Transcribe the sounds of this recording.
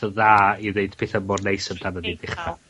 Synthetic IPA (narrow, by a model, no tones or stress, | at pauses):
əðaːiðeɨd̥pʰeːθəmɔrnejsəmdanədidɪχta